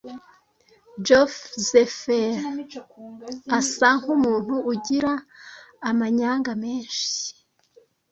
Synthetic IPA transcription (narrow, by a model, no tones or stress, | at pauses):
d͡ʒofzefeɾ | asaŋ̥humuːn̥huːɟiɾaː | maɲaːŋɡame̞ːnʃi̥